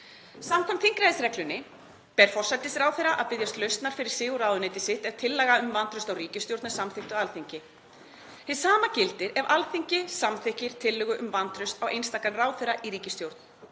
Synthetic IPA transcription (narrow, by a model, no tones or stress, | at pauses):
samkʰɔmt̪θiŋkɾajðsɾɛklʏnːɪ | pɛɾ̥fɔsat̪ɪsɾaːwθejɾaʔaðpɪðjast̪lœɥst̪naɾ̥fɪɾɪɾ̥sɪːɣʊɾaːwðʏnejt̪ɪsɪht̪ɛvt̪ʰɪlːɛːɣaʏmvant̪ɾʏst̪awriːcɪst̪jowɾt̪ḁsamθɪht̪ʏaalθiɲcɪ | θɪsaːmacɪlt̪ɪɾɛvalθiɲcɪsamθɪhcɪɾ̥t̪ʰɪlːʏɣʏʔʏmvant̪ɾʏst̪awʔḛjnst̪aːkanraːwθɛɾːaʔiɾiːcɪst̪jowɾt̪n̥